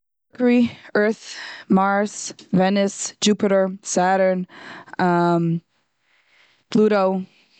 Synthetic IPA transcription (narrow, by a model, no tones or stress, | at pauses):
əkə˞iɜ˞θmɑɹsvɛnɨsd͡ʒʉpɨɾə˞sæɾə˞nʌm | b̥ʰluɾoʊ